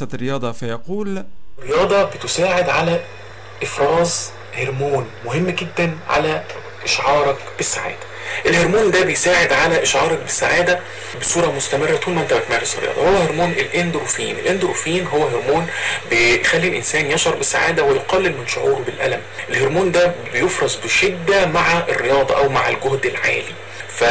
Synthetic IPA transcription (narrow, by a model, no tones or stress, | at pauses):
æt̪ɾejɑːd̪ˤɑfæjɑquːlɾejɑːd̪ˤɑbet̪osaːʕed̪ʕalæ | ʔefɾˤɑːz | heɾmuːnmoɦemːɡed̪ːænʕa̰læ | ʔeʃʕɑːɾˤɑkb̥esːaʕa̰ːd̪æ | ʔelheɾmuːnd̪æbejsaːʕed̪ʕalæʔeʃʕɑːɾˤɑk̚besːaʕaːd̪æ | besuːɾˤɑmost̪æmerːæt̪uːlmænt̪æwæk̪mæːɾˤeserːḛjɑ̰ːd̪ˤɑhowːæheɾmuːnʔelʔend̪ɾufiːnʔḛlʔend̪ɾufiːnɦowːæɦeɾmuːnbexælːilʔensæːnjɑʃɑɾˤbesːaʕa̰ːd̪æwejoqɑlːelmenʃoʕuːɾbelʔæ̰læmʔelheɾmuːnd̪æbejofɾˤɑzˤbeʃed̪ːæmaʕaʔerːejɑːd̪ˤɑʔæwmaʕa̰lɡohd̪elʕa̰ːli | fæ